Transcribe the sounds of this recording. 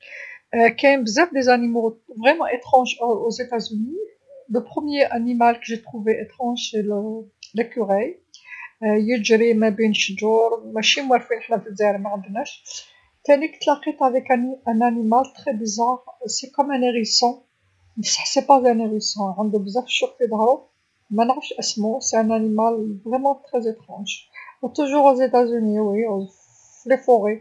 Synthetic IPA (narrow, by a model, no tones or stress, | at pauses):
kɛjmbzæfd̪ezanimovʁɛmɑ̃ʔet̪χɑ̃ʒozet̪azyni | dəpχəmjeʔanimalkəʒet̪χuveʔet̪χɑ̃ʒseləlækyʁɛj | jəʒɾimæbinʃʒuɾmæʃimwæɾfinəħnæfəzæɾmæʕənd̪næʃ | t̪ænikt̪lɑqit̪avɛknæ̃nænimalt̪χɛbəzaʁsekɔmæ̃neʁisɑ̃ | məsə̥ħsepazæneʁisɑ̃ʕənd̪ubəzaʁfʃuʁt̪id̪ˤhɾu | mænʁəfʃʔəsmoseæ̃nænimalvʁɛmɑ̃t̪χɛzet̪χɑ̃ʒt̪uʒuʁozet̪azyniwi | flefɔʁe